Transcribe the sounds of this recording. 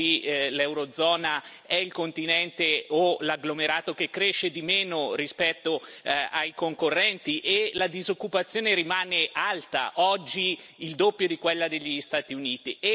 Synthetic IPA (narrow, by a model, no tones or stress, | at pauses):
ilɛwɾod̪zːɔːna | ɛilkont̪inɛnt̪eolaɡlomeɾaːt̪okekːɾeʃːed̪imeːnoɾispɛt̪ːoajkoŋkorːɛnt̪iʔelad̪izokːupat̪sːjoːneɾimaːneʔalt̪a̰ʔɔd͡ʒːiː | ld̪opːjod̪ikwelːad̪eʎːist̪aːt̪iuniːt̪ie